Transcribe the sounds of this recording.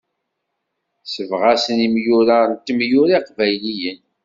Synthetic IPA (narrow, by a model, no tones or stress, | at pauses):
səvʁæsənimjʊɾant̪ːmjʊɾiqvæjlijən